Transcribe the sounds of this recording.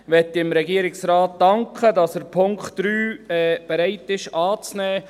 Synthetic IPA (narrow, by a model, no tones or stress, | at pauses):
ʋɛtːiɪmɾɛɡiːɾɪksɾɑːt̚d̥ɑŋkχədɑsəɾpʰʊŋkχtːɾyːɛːb̥ɛɾɛɪtɪʃɑːt͡snɛː